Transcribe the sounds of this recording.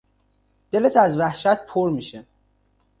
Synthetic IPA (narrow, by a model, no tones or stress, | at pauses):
d̪̥e̞let̪ʰæzvæhʃæt̪̚pʰoɾmiʃe